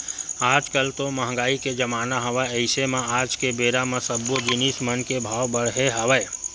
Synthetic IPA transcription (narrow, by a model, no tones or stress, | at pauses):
aːd͡ʒkəlt̪oməɦɡaːiked͡ʒəmaːnaɦəʋəəɪsemẽaːd͡ʒkebeːɾamẽsəbːod͡ʒɪnismənkebʱaːwbəɽ̤ɦeɦəʋəː